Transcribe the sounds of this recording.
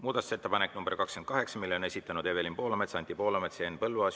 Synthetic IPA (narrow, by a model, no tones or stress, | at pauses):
muːd̪ɑt̪u̥se̞t̪ːepɑnekːnumb̥erkɑkskend̪̚kɑɦe̞ksɑmilːone̞sit̪ːˑɑnud̪e̞velimpo̞ːlomet̪sɑnʲt̪ipo̞ːlomet̪seenpɤlvuɑs